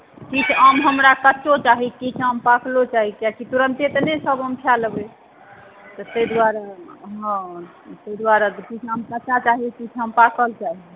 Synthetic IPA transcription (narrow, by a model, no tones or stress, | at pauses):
kit͡ʃʰamɦəmɾakət͡ʃːot͡ʃaɦikit͡ʃʰəmpakʰlot͡ʃaɦikjakit̪uɾənt̪et̪ənesəbɦəmkʰjalbe | t̪ət̪əjd̪waɾaɦə̃ | t̪əid̪waɾat̪kit͡ʃʰamkət͡ʃat͡ʃaɦikit͡ʃʰɦəmpakəlt͡ʃaɦi